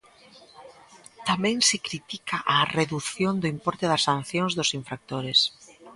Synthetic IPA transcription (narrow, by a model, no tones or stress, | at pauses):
t̪amɛ̃ŋsɪkɾit̪ikʰaʔareðuθjond̪ʊimpɔɾt̪ɪðɐsːan̟θjõŋzðʊsiɱfɾak̚t̪oɾɪs